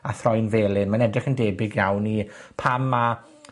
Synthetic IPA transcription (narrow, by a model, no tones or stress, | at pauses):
aθrɔjnveːlˠɪnmanɛdrɪχəndɛːbɪɡjawnipʰama